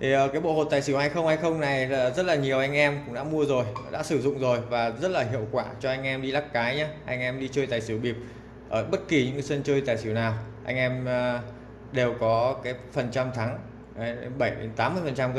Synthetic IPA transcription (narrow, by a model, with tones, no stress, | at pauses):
t̪ʰi˨˩ʔəː˨˩kaː˨˦jɓo̰˧˨ho˨˩t̪aː˨˩jsi˧˩wha˧jxə˧wŋ͡mha˧jxə˧wŋ͡mna˨˩jzə˦˥t̚laː˨˩ɲi˨˩əwʔa˧jŋ̟ʔɛ˧mkʊ̰˧˥ŋ͡mɗa̰ː˧˥mu˧əzo˨˩jɗa̰ː˧˥sɨ˧˩zʊ̰˧˨ŋ͡mzo˨˩jvaː˨˩zə˦˥t̚laː˨˩ɦḭ˧˨əwkwaː˧˩t͡ɕɔ˧ʔa˧jŋ̟ʔɛ˧mɗi˧laː˦˥k̚kaː˨˦jɲaː˨˦ʔa˧jŋ̟ʔɛ˧mɗi˧t͡ɕəː˧jt̪aː˨˩jsi˧˩wɓi˨˩əp̚ | ʔəː˧˩ɓə˦˥t̚ki˨˩ɲɨ̰˧˥ŋ˧sə˧nt͡ɕəː˧jt̪aː˨˩jsi˧˩əwnaː˨˩wʔa˧jŋ̟ʔɛ˧mː˧ | ɗe˨˩wkɔ˨˦kaː˨˦jfə˨˩nt͡ɕa˧mt̪ʰa˨˦ŋ˨˧˦ | nɓə˧˩jɗe˨˦nt̪aː˨˦mːɨ˧əjfə˨˩nt͡ɕa˧m˧